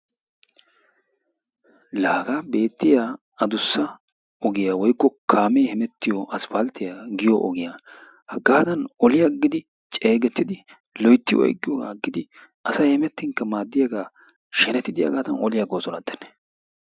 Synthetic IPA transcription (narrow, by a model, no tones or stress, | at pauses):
laːɡabe̞ːt̪ːɪja | ɐd̪ʊsːɐ | ɔɡɪjaːwɔjkːɔkʰaːmeːhɛmɛt̪ːɪjɔʔɐsfɐlt̪ːɪjaɡɪjɔʔɔɡɪjaː | hɐɡaːd̪ɐnʔɔlɪjaɡɪd̪ɪ | t͡ʃʼe̞ːɡɛt̪ːɪd̪ɪ | lɔjt̪ːɪjɔ̰j̰ɡːɪjɔɡa̰ːɡɪd̪ɪ | ʔɐsɐjhɛmɛt̪ːɪŋkːɐmaːd̪ːɪjɐɡaː | ʃɛnɛt̪ːɪd̪ɪjɐ̰ɡaːd̪ɐnɔlɪjaɡoːsɔnɐd̪ːɛnːɛ̥